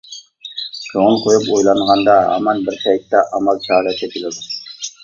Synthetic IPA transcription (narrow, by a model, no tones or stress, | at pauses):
ʃʰoŋəlˠqʰojupojlˠɑɴʁɑnd̪ɑɦɑ̰mɑnbɪɾtʰɛjt̪ːɛʔɑmɑlˠt͡ʃʰɑːɾɛkʲʰɛt̪ʰilɪd̪u